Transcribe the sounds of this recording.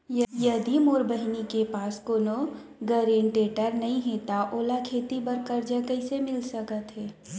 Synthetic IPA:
jɐjɐd̪imoːɾbəɦnikepaːskoːnoɡəɾẽːɳʈeːʈəɾnɐɦĩɦet̪aʔoːlakʰeːt̪ibɐɾkəɾd͡ʒəkəɪsemɪlsɐkət̪ɦɛː

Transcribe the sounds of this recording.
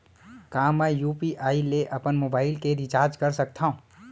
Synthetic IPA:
kãːmɛ̃juːpiʔaːileʔɐpənmobaːɪlkeɾɪt͡ʃaːɾd͡ʒkəɾsək̚t̪ʰaũ

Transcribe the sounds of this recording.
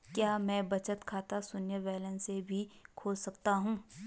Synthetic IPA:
kjaːmɛ̃ːbɐt͡ʃət̪kʰaːt̪asʊnjəʋɛːlənsebʱikʰoːlsɐk̚t̪aɦũː

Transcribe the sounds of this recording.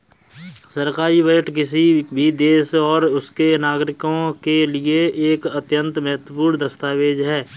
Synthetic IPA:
səɾkaːɾiʋəəʈkɪsibʱid̪eːsɔːɾʊskenaːɡɾɪkõkelieeːkɐt̪jə̃nt̪mɐɦət̪wəpuːnd̪ɐst̪aːʋeːd͡ʒɦɛː

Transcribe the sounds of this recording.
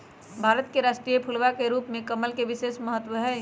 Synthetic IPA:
bʱaːɾət̪keɾaːʃʈɾijepʰulʋakeɾuːpmẽkəməlkeʋɪseːsməɦət̪ʋəɦɛː

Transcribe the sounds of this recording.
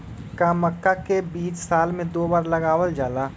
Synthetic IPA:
kaːməkːakebiːt͡ʃsaːlmẽd̪oːbaːɾlɐɡaːwəld͡ʒaːlaː

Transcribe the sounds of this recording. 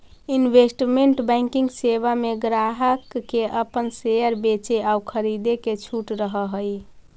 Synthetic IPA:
inʋesʈmeɳʈbɛ̃ŋkĩŋɡsebameɡɾaɦəkːeʔəpənsejəɾbet͡ʃeaukʰəɾid̪eket͡ʃʰuʈɾəɦəɦəj

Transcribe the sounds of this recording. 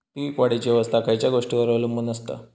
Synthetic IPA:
tikʋaɽit͡ɕiʋəst̪ʰakajt͡ɕjaɡoʂʈiʋəɾʋlumːunəst̪ə̰

